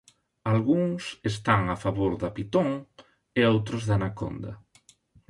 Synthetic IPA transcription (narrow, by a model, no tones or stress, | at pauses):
alɣuŋsest̪aŋafaβoɾðapit̪õŋ | eowt̪ɾʊzðanako̰nd̪ɐ̰